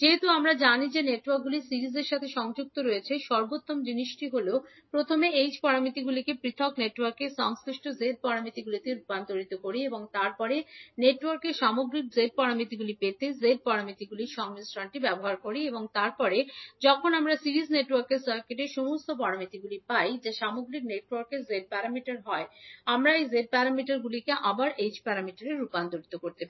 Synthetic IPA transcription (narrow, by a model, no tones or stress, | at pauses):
d͡ʑeɦet̪uamɾad͡ʑanid͡ʑeneʈwaɾk̚ɡulisiɾizeɾʃat̪ʰeʃɔŋd͡ʑuk̚t̪oɾojet͡ɕʰeʃɔɾbot̪ːomd͡ʑiniʃʈiɦolo | pɾot̪ʰomeejd͡ʑpɔɾamit̪iɡulikepɾit̪ʰokneʈwaɾkeʃɔŋskɾiʃʈʰozeɖ̚pɔɾamit̪iɡulit̪epant̪oɾit̪okoɾieboŋt̪aɾpɔɾeneʈwaɾkeʃamoɡɾik̚zeɖ̚pɔɾamit̪iɡulipet̪ezeɖ̚pɔɾamit̪iɡuliɾʃɔŋmisɾaɳʈibɛboɦaɾkoɾieboŋt̪aɾpɔɾed͡ʑɔkʰonamɾasiɾizneʈwaɾkeɾsaɾkeʈeʃomost̪opɔɽamit̪iɡulipajd͡ʑaʃamoɡɾik̚neʈwaɾkeɾzeɖ̚paɾamiʈaɾɦɔeamɾaejzeɖ̚paɾamiʈaɾɡulikeʔabaɾed͡ʑpaɾamiʈaɾeɾupand̪oɾit̪okoɾt̪epai